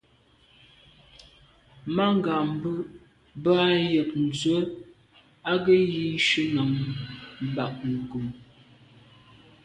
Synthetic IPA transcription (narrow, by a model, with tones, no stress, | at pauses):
ma˦ŋ˦ɡa˨m˦bə˦ | bə˦a˦jə˨k̚n̩˨d͡zə˦ | a˦ɡə˦ji˦ʃə˦na˨ŋm˨ba˨k̚ŋ˨ɡu˨m